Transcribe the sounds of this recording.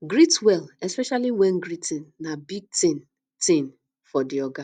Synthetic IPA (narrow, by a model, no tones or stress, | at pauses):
ɡɾitwɛlespɛʃaliwɛn̩ɡɾitĩn̩ːabiɡ̚ten | tẽn | fɔdɪɔɡa